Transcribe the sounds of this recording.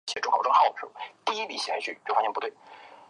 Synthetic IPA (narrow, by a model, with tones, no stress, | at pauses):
ɕɛ˧˥ʈ͡ʂxɑ˨˩ʊʈ͡ʂɤ˥xɑ˥˩ʊ˩ʂɻ̩˥˩ə˥˩t̪i˥˧i˥li˧˥˩ɕi˨˩a˧˥ɪt͡ɕʰy˥˩t͡ɕjo˥˩ʊfa˧˥jɛ˥˩pu˧˥t̪we˥˩ɪ